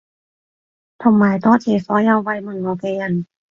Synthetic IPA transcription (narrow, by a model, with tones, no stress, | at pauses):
t̪ʰɔ˧˩mːaː˨˩jt̪ɔː˥˨t̪ʰeː˨˩sɔː˨˦˥ja˧wwa˧jmɯ˧˩ŋo˨˩ke˧ja˧˩˨n